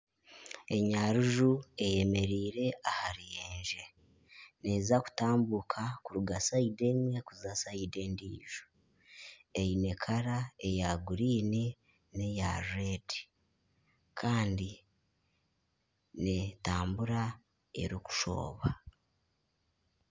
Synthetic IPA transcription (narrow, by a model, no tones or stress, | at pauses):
e̞ɲaɾuʒue̞je̞me̞ɾiːɾe̞ahaɾijeːnʒe̞ | ne̞ːzaku̥taːmbukʰakuɾuɡasaidemwe̞kuzasaide̞ːndiːʒo̥ | ejine̞kʰaɾae̞jaɡuɾiːni | nejaɾedi̥ | kʰaːndi | netaːmbuɾa | e̞̰ɾiku̥ʃo̞̰ːβa